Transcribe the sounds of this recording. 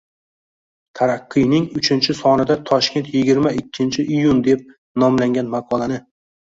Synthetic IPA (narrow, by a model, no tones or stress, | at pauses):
t̪ʰaɾɑqʰːɨjnɪŋʊt͡ʃʰɪnt͡ʃʰɪsɒnɪd̪at̪ʰɒʃkʲe̞nt̪jɪɡʲɪɾmaɪkʲʰːɪnt͡ʃʰɪʔijʊnd̪e̞p̚ | nɒmlaŋɡʲanmaqʰɒlˠanɪ